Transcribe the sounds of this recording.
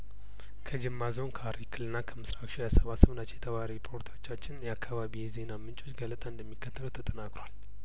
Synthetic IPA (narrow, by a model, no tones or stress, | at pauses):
kʰəd͡ʒɪmːazo̞nkʰəaɾikʰɨlɨnːakʰəmɨsɾakʃijasəβasəβnat͡ʃjɛt̪ʰəβaɾipʰo̞ɾt̪ʰat͡ʃːat͡ʃːɪnjɛakʰːaβaβijze̞namɨnt͡ʃʼo̞t͡ʃːɡələt̪ʼaɨnd̪əmːikːət̪ʰːəlut̪ʰət̪ʼənakʼɾowal